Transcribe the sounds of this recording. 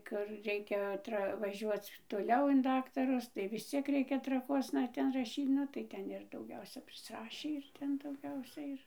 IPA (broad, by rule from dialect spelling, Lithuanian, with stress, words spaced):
ˈkʊr ˈrʲɛɪkʲɛ ˈtrɐ ʋɐˈʒʲuɔt͡s toːˈlʲɛʊ ɪn ˈdɑːktɐrʊs tɐɪ ʋʲɪs ˈt͡sʲiɛk ˈrʲɛɪkʲɛ trɐˈkuɔsnɐ ˈtʲɛn rɐˈʃʲiːt ˈnʊ tɐɪ ˈtʲɛn ɪr dɐʊˈɡʲɛʊsʲɛ pʲrʲɪsˈrɑːʃʲiː ɪr ˈtʲɛn dɐʊˈɡʲɛʊsʲɛ ɪr